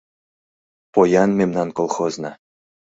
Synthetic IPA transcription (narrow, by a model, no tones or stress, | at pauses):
pojɑnmemnɑnkolˠxoznɑ